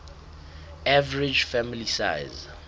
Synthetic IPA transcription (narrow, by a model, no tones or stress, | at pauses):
ʔavəɹid͡ʒfɛmilisa̰jz